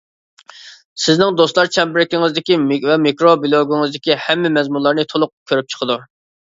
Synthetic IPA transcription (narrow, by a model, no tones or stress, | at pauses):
sɪznɪŋd̪ost̪lˠɑɾt͡ʃʰɛmbɪɾɪkʲɪŋɪzd̪ɪkʲimvɛmikɾobilˠoɡʲuŋɨzd̪ɪkʲihɛmːɪmɛzmunlˠɑɾnɨt̪ʰolˠʊq̚kʲʰøɾyp̚t͡ʃʰə̥qʰəd̪u